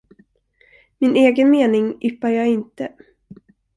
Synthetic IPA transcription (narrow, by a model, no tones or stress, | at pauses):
mɪnʔeːɡənmeːnɪŋʔʏpːaɾjɑːɡɪnt̪ə